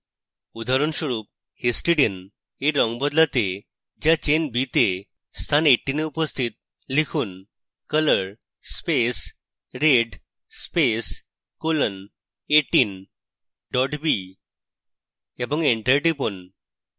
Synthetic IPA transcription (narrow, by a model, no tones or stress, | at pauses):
ud̪ʱaɾunɕəɾuːp̚ | hesʈiɽiən | eɾɔŋɡbɔd̪lat̪e | d͡ʑjat͡ɕenbit̪e | st̪ʰaneʈːineupəst̪ʰiːt̪̚ | likʰuːn | kələɾ | spes | ɾeɖ | spes | kolən | eʈiːn | ɖɔʈbi | ebɔ̃ŋɡeɳʈəɾʈipon